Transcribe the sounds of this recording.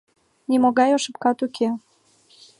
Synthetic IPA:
nʲimoɣɑjoʃə̆pkɑt̪ukʰe

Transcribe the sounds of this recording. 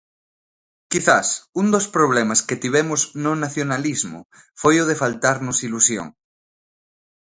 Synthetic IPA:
kiθasund̪ospɾoβ̞lemasket̪iβ̞emoznonaθjonalizmo̰ | fojoð̞efalt̪aɾnosilusjo̰ŋ

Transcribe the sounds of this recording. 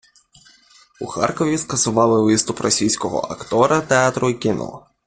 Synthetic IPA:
uxɑ̰rkɔʋʲiskɐsʊʋɑlˠɪʋɪst̪ʊprɔsʲijsʲkɔɦɔ̰ʔɐ̰kt̪ɔɾɐt̪eɑt̪ɾʊkʲɪnʔɔ̰

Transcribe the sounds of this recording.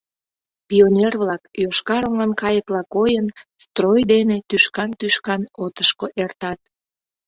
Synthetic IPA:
pionʲerβlɑkjoʃkɑɾoŋɑnkɑjəklɑkojənst̪rojd̪enet̪yʃkɑnt̪yʃkɑnot̪əʃkoʔert̪ɑt̪̚

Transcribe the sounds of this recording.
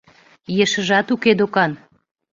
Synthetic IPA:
jeʃə̆ʒɑt̪uked̪okɑn

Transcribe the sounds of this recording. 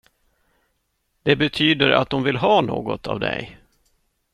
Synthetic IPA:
d̪̥ɛbɛt̪ʰyːd̪əɾa̰t̪̚d̪ɔmvɪlɦɑːno̰ːɡɔt̪ʰɑ̰vd̪ɛ̰j

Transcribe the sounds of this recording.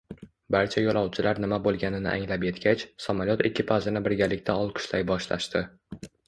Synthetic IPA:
baɾt͡ʃʰajɒlˠɒwt͡ʃʰɪlaɾnɪmabolˠɡʲanɪnɪ̰ʔa̰ŋlapje̞t̪ɡʲat͡ʃsamalʲjɒt̪ɪkʲːɪpʰazɪnɪbɪɾɡʲalɪkʲt̪ʰaɒlˠqʰʊ̥ʃlajbɒʃla̰ʃt̪ɪ

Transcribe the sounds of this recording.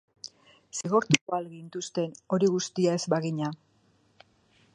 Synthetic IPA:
siɣo̞ɾt̪ukoalɣint̪ust̪e̞no̞ɾiɣust̪iae̞zbaɣiɲa

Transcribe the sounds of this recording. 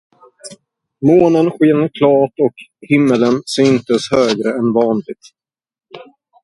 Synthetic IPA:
moːnənɧeːnəɾkʰlɑːʈɔkhɪmːələnsyːnt̪əshøːɡɾəɛnvɑːnlɪɡ̚t̪

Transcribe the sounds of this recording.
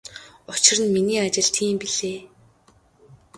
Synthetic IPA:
ʊt͡ɕɪ̆rə̆nminiːat͡ɕɪ̆ɮt̪ʰiːmpiɮeː

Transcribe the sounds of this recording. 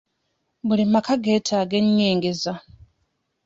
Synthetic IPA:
βulimakaɡe̞ːtʰaːɡe̞ɲːiːŋɡeza

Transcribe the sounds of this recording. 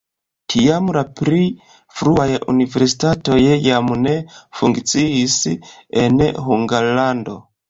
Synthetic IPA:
tʰijamlapɾi | fɾuajʔṵnive̞ɾsi̥tato̞jejamune̞fuŋɡt͡siisenɦuŋɡalando̞̰

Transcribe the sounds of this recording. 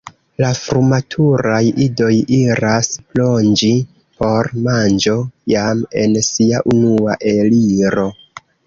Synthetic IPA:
lafɾumatʰuɾajido̞jiɾasplo̞nd͡ʒi | po̞ɾmand͡ʒo̞jame̞̰nsiaʔunuaʔe̞liɾo̞

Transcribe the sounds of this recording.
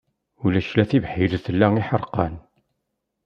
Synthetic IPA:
ulæʃlæθivħiɾθəlːæiħəɾˤqɑ̰n

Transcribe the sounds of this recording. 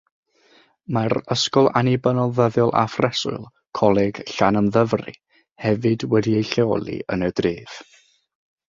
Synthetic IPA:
maɾəskɔlˠanibənɔlˠvəðjɔlˠʔa̰frɛsʊ̰ɨlˠ | kʰɔlˠɛɡ̥ɬanəmðəvrḭ | hɛvɨdwɛdiejɬɛɔlˠḭə̰nədriːv̥

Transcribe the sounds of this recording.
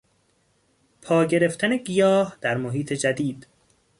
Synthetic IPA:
pʰɒːɟe̞ɾe̞ft̪ʰæne̞ɡijɒːhd̪̥æɾmoɦiːt̪ʰe̞d͡ʒæd̪iːd̪̥

